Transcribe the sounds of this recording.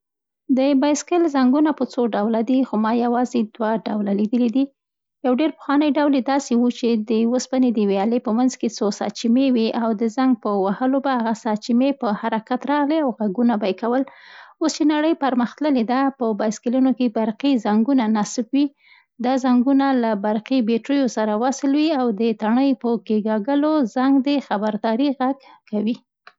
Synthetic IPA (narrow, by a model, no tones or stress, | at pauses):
d̪əbajɪskɪlzaŋɡunapət͡soɖawlad̪ixomɑjawɑzed̪waɖawlalid̪əlid̪i | jawɖeɾpə̥xwɑnəjɖawled̪ɑsewut͡ʃed̪əwəspaned̪əwejɑlepəmanzket͡sosɑ̰t͡ʃimewiʔawd̪əzaŋɡ̚pəwahəlobahaɣasɑt͡ʃimepəhaɾakat̪ɾɑɣliawɣaɡunabajkawəlost͡ʃenaɽəjpaɾməxt̪ləled̪apəbaskəlunokebaɾqizaŋɡunanasbwi | d̪ɑzaŋɡunalabaɾqibeʈɾujosaɾawasɪlwiawd̪ət̪aɳəjpəkeɡɑɡəlozaŋɡd̪exabaɾd̪ɑɾiɣaɡkawi